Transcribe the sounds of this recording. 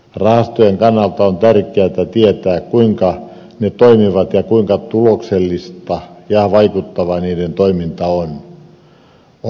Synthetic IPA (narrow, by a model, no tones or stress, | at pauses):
rɑhɑst̪ojeŋkɑnːɑlt̪ɑont̪ærkeæt̪æt̪iet̪æːkkuiŋkɑ | net̪oimiʋɑt̪jɑkuiŋkɑt̪ulokselːist̪ɑjɑʋɑikut̪ːɑʋɑniːdent̪oimint̪ɑon